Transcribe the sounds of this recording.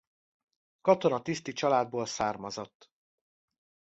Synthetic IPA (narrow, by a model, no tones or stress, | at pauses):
kɒt̪o̞nɒt̪ist̪it͡ʃɒlaːd̪̚boːlsaːrmɒzot̪ː